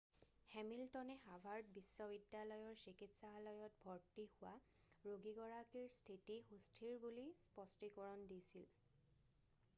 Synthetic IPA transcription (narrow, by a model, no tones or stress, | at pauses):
hɛmiltɔnɛɦabʱaɹtbisːɔbidjalɔjɔɹsikitsaɦalɔjɔt̚bʱɔɹtihʊwa | ɹoɡiɡɔɹakiɹstʰitixustʰiɹbulispɔstikɔɹɔndisil